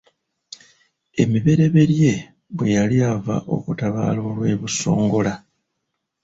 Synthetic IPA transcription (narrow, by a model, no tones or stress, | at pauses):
e̞miβe̞ɾe̞βe̞ɾje̞ | βwe̞jaliava̰ʔo̞̰kutaβa̰ːlo̞ːlwe̞ːβuso̞̰ːŋɡo̞la